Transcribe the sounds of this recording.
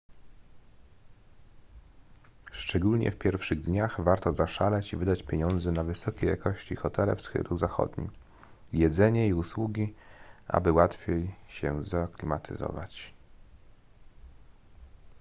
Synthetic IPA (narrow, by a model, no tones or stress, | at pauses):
ʂt͡ʂɛɡulɲɛ̰fpʲjɛɾfʂɘɣd̪ɲaxvaɾt̪ɔzaʂalɛt͡ɕivɘd̪at͡ɕpʲjeɲɔnd̪zɛnavɘsɔkʲejakɔɕt͡ɕixɔt̪ɛlɛ̰fsxɘ̰luzaxɔ̰d̪ɲḭ | jɛd̪zɛɲɛiuswuɡʲiʔa̰bɘwat̪fʲjejɕɛzaklʲimat̪ʰɘ̰zɔ̰va̰t͡ɕ